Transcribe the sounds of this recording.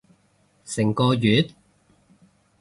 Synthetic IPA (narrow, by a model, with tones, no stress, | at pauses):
sɪ˨˩ŋkɔː˧jyː˨˥t̪̚